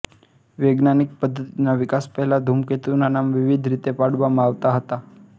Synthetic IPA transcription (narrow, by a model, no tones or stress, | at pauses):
ʋeɡnanik̚pəd̪ʱːət̪inaʋikaspəɦlad̪ʱumket̪unanamʋiʋid̪ʱɾit̪epaɽʋamaʋt̪aɦət̪a